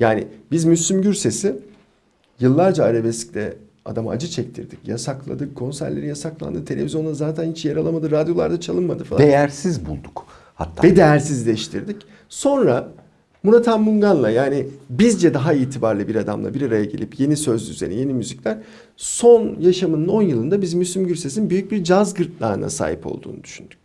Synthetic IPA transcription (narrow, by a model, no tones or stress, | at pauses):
jaːnɪ̰bizmyslʲymɟyɾse̞si | jɯlˠːaɾd͡ʒaːɾebɛsclʲɛ̰ | a̰d̪amaa̰d͡ʒɯt͡ʃʰɛc̚t̪ʰḭɾd̪icjasaklˠa̰d̪ɯkʰːo̞nsæ̰ɾlʲeɾijasaklˠa̰nd̪ɯt̪ʰe̞lʲevizjo̞nˠazaːt̪ʰænhit͡ʃjaɾalˠamad̪ɯɾad̪jo̞lˠaɾd̪at͡ʃʰalˠɯnmad̪ɯfa̰lad̪ejæɾsizbulˠd̪uk | ha̰t̪ʰːa̰bɛd̪ejæɾsizlʲɛʃt̪ʰiɾd̪ic | so̞nɾa | muɾat̪ʰamːuŋɡanlˠajaːnibizd͡ʒɛd̪aɦaiːt̪ʰibaɾlʲˠɯbiɾad̪a̰mlˠa̰biɾaɾajaɟḛlʲipje̞nisø̞zy̰ze̞̰nije̞nimyziclʲæɾ̥ | so̞njaʃamɯnɯno̞njɯlˠɯnd̪abizmyslʲimɟyɾse̞sinnbyjyc̚biɾd͡ʒazɡɯɾt̪lˠa̰ːɯna̰sa̰ːɦipʰo̞̰lˠd̪ṵːnṵd̪̥y̥ʃynd̪̥y̥c̚